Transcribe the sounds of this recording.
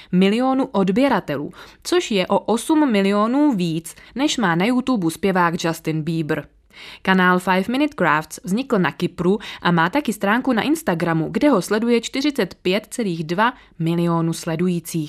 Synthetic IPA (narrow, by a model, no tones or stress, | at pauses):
mɪlɪo̞nuʔo̞dbjɛɾat̪ɛlṵːt͡so̞ʃjɛʔo̞ʔo̞sumːɪlɪo̞nuːviːt͡snɛʃmaːnajut̪ubuspjɛvaːɡd͡ʒast̪ɪnbiːbr̩ | kanaːlfajfmɪnɪt̪kɾaːft̪t͡svzɲɪkl̩nakɪpɾuʔamaːt̪akɪst̪ɾaːŋkuna̰ʔɪnst̪aɡɾamuɡdɛɦo̞slɛdujɛt͡ʃt̪ɪr̝ɪt͡sɛt̪pjɛt̪t͡sɛliːɣdva | mɪlɪo̞nuslɛdujiːt͡siːx